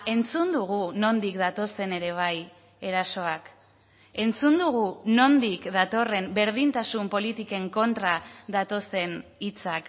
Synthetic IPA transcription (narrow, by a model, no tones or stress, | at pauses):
e̞nt͡sund̪uɣ̞uno̞nd̪ikd̪at̪o̞se̞ne̞ɾe̞β̞aj | e̞ɾaso̞ak | e̞nt͡sund̪uɣ̞uno̞nd̪ikðat̪o̞re̞mbe̞ɾð̞int̪asumpo̞lit̪ike̞ŋko̞nt̪ɾaðat̪o̞se̞nit͡sak